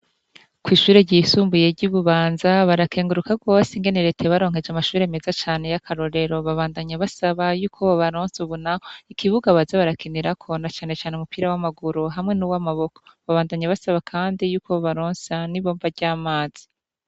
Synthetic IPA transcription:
kwiːʃuːɾe̞ɟisuːmbuje̞ɟuβuβaːnzaβaɾakʰe̞ːŋɡuɾukaɡwo̞ːsiŋɡe̞neɾe̞teβaɾo̞ːŋ̥ɦe̞d͡ʒamaʃuːɾeme̞zat͡ʃaːne̞jakʰaɾo̞ɾe̞ɾo̞βaβaːndaɲaβasaβajuːkʰo̞ββaɾoːnsuβunakoikʰiβuɡaβazaβaɾakʰiniɾakʰo̞nat͡ʃaːne̞t͡ʃaːneumupiːɾawamaɡuɾoɦamŋe̞nuwamaβo̞ko̥βaβaːndaɲaβasaβakʰaːndijuːkoβoβaɾoːnsaniβo̞ːmvaɾɟaːmaːz̥i̥

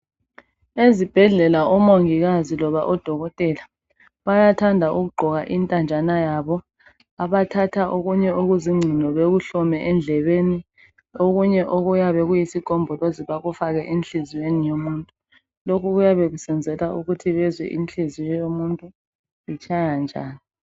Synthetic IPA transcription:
ezib̥ʱɛɮɛlaʔɔmoŋiɣazilɔβaʔɔd̥ʱɔɣɔtʼɛːla | βajatʰandʱaʔuɣuɡ͡ǃʱɔɣaʔintʼand͡ʒʱʼanajaβɔ | aβatʰatʰaʔoɣuɲɛoɣuziŋ͡ǀʱilɔβeɣuɬɔmɛʔɛnd͡ɮʱɛβeni | oɣuɲɛʔoɣujaβɛɣujisiɡ̥ʱɔmbʱɔloziβaɣufaɣɛʔenɬiziwenijomuːntʼu | lokʰuɣujaβeɣusɛnd͡zʱɛlaʔuɣutʰiβɛzwɛ̰ʔḭnɬizijɛjomuntʼu | it͡ʃʼajand͡ʒʱa̰ːni

